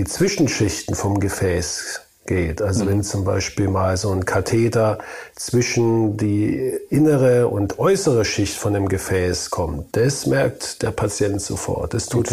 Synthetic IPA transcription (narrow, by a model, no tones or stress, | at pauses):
iːt͡sv̥ɪʃn̩ʃɪçtn̩fɔmɡəfɛːs | ɡ̥eːtʔalzovɛnt͡sʊmbaɪʃpiːlmaːlzoːnkʰatʰeːtɐt͡sv̥ɪʃn̩diːʔɪnəʁəʊ̰ntʔɔʏsəʁ̞əʃɪçtfɔndeːmɡəfɛːskʰɔmt̚d̥asmɛɐk̚td̥eːɐpʰat͡sjɛntz̥o̰fɔ̰ɐtd̥astʰuːt